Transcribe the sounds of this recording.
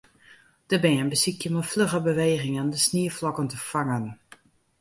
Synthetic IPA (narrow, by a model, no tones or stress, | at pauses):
d̥əbɪənbəsikjəmɔfløɣəbəʋeːɣɪŋəndəsniəflɔkəntəfaŋən